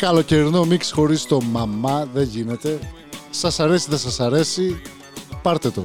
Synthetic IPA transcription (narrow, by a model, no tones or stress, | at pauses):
kɐlo̞ce̞ɾino̞miksxo̞ɾist̪o̞mɐmɐðe̞ʝine̞t̪e̞ | sɐsɐɾe̞siðe̞sɐsɐɾe̞si | pɐɾt̪e̞t̪o̞̰